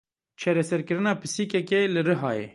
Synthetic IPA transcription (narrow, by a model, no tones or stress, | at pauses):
t͡ʃʰɑːɾɛsɛɾkɨɾɨnɑːpʰɨsiːkɛkelɨɾɨɦɑːjḛ